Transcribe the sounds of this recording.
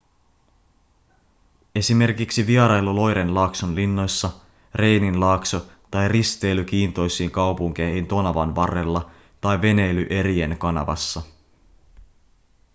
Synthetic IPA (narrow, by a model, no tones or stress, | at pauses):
e̞sime̞rkiksiʋiɑɾɑjlulo̞jɾe̞nlɑːksonlinːo̞jsːɑ | re̞jninlɑːkso | t̪ɑjrist̪e̞jlyk̟iːnt̪o̞jsiːŋkɑwpuŋk̟eːhint̪o̞nɑʋɑ̰nʋɑrːe̞lːɑ | t̪ɑjʋe̞ne̞jlyʔe̞ɾie̞nkɑnɑ̰ʋɑ̰sːɑ